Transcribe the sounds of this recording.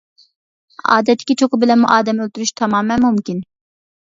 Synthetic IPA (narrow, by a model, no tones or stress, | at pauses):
ɑ̰ːd̪ɛt̪ʰːɪ̥kʲit͡ʃʰokʊbilɛnmuʔɑːd̪ɛmølʲt̪yɾyʃt̪ʰɑmɑːmɛmumkʲin